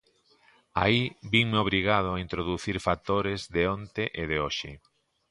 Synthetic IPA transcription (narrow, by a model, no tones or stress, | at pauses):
a̰ibiŋmeoβɾiɣað̞ʊaint̪ɾoðuθiɾfat̪oɾɪzðeont̪eʔeðeoʃɪ̰